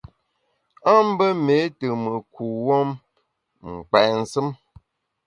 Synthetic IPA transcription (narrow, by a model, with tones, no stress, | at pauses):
a˦m̩˦bə˦me˨˦tə˨mə˨kʰu˨wɔ˦m | ŋ̩˨k͡pɛ˨n̩˨sɨ˦m